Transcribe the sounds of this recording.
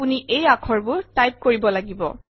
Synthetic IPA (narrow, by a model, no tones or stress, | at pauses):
uniʔejakʰɔɹbʊɹtajp̚koɹibɔlaɡibɔ̰